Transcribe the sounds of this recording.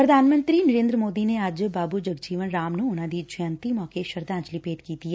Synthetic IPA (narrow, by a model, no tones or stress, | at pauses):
pɾɐd̪ʱaːnmə̃nt̪ɾinɐɾẽːnd̪ɾəmoːd̪ineaːd͡ʒbaːbud͡ʒɐɡd͡ʒiːʋənɾaːmnuonad̪id͡ʒʰjãːnt̪imɔːkeʃɐɾd̪ãːt͡ʃlipeːd̪kiːt̪ieː